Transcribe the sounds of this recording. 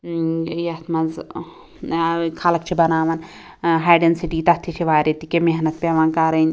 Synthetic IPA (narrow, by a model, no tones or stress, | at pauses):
jɐt̪ʰmɐz | kʰalɐk̚t͡ʃʰibɐnaːʋɐn | ɦaːɖensiʈiːt̪ɐt̪ʰit͡ʃʰiʋaːɾet̪ikemeɦnɐt̪̚pʲeʋaːnkaːɾɐnʲ